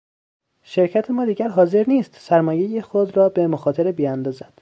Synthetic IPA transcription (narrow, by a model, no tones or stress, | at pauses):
ʃe̞ɾcʰæt̪ʰemɒːd̪iːɟæɾɦɒːze̞ɾniːst̪sæɾmɒːje̞jexod̪rɒːbe̞moxɒːt̪ʰeɾebijænd̪ɒːzænd̥̪